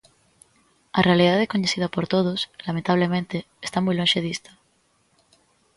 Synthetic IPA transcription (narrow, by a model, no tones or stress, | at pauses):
arealiðaðekoɲeθið̞apoɾt̪oðoslamẽnt̪aβ̞lemẽnt̪eːst̪amujlonʃeðist̪o̥